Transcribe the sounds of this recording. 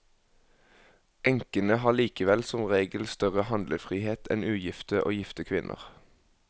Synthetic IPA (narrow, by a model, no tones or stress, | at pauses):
ʔɛŋkənəhɑːliːkəʋɛlsɔmʁeːɡəl̩st̪œʁəhɑnd̪ləfʁiːheːt̪ʰɛ̰nʉːjɪft̪əʔo̰ːjɪft̪əkʰʋɪnʔə̰ʁ